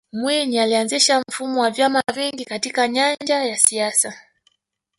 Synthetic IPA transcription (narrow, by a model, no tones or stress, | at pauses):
mwiɲialianziʃam̩fumɔwavjamaviŋɡikatikaɲanɲd͡ʒajasiasa